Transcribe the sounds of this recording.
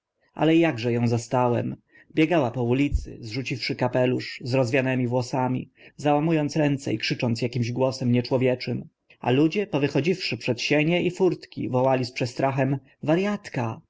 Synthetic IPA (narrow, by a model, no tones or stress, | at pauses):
ʔa̰lɛjaɡʐɛjɔ̃w̃zast̪awɛm | bʲjɛɡawapɔulʲit̪sɘ̰zʐut͡ɕifʂɘkapɛluʂzɾɔzvʲjanɛmʲivwɔsamʲḭzawamujɔnt̪sɾɛnt̪sɛ̰ikʂɘt͡ʂɔnt̪sjakʲimʑɡwɔsɛmɲɛt͡ʂwɔvʲjɛt͡ʂɘm | a̰lud͡ʑɛpɔvɘxɔd͡ʑifʂɘpʂɛt̪ɕɛɲɛʔifuɾt̪kʲḭvɔwalʲispʂɛt̪st̪ɾaxɛm | vaɾjat̪ka